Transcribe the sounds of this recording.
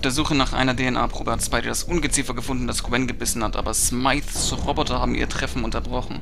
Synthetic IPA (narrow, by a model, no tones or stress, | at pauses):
fd̥eːɐzuːχənaːχʔa̰ɪnɐdeːɛnʔa̰ːpʁ̥oːbɛɐtspaɪdidasʔʊnɡət͡siːfɐɡəfʊndn̩d̥askwɛnɡəbɪsn̩hatʔa̰ːbɐsmaɪθt͡suʁɔbɔtɐhaːbm̩ʔḭːɐtʁ̥ɛfn̩ʊntɐbʁɔχn̩